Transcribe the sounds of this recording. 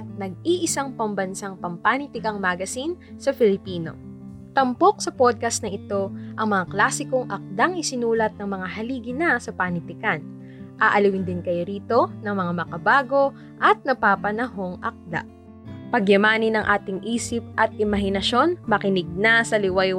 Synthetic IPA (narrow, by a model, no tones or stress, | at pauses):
ʔɐt̪̚nɐɡ̚iʔɪsaŋpɐmbɐnsaŋpɐmpanɪt̪ɪkɐŋmaɡɐsinsɐfɪlɪpiːno̞̰ | t̪ɐmpo̞k̚sɐpod̪̚kɐst̪nɐʔɪt̪o̞ʔɐŋmɐŋaklaːsɪko̞ŋʔɐk̚d̪aŋɪsɪnuːlɐt̪̚nɐŋmɐŋaɦɐliːɡɪnɐsɐpanɪt̪ɪkan | ʔaːʔɐliwɪnd̪ɪnkɐjoɾiːt̪o̞nɐŋmɐŋamɐkɐbaːɡo̞ | ʔɐt̪̚nɐpaːpɐnɐɦo̞ŋʔɐk̚d̪a̰ | pɐɡjɐmaːnɪnɐŋʔaːt̪ɪŋʔiːsɪp̚ʔɐt̪̚ʔɪmɐɦɪnɐʃo̞nmɐkɪnɪɡ̚nɐsɐlɪwɐj